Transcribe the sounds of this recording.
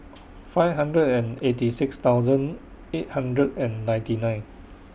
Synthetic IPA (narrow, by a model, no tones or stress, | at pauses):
faɪvɦãndɹədɛ̃netisɪkst̪awzə̃n | et̚hãndɹədɛ̃nːãj̃ntinãɪ̃n